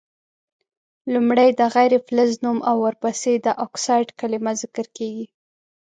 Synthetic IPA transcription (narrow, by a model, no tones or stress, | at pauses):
lumɽajd̪əɣajɾefləznumawːəɾpased̪əʔɔksɑjɖkalimazɪkəɾkeɡi